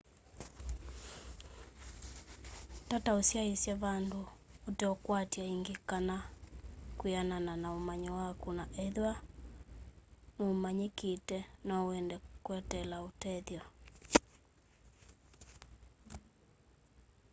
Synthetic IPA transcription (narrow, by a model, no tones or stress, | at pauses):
tataosjaisjaβandooteɔkwatjaiŋɡekana | kwianananaomaɲɔwakunaʔɛðwa | noːmaɲeketɛnɔwɛndɛkwɛtɛlaotɛðjɔ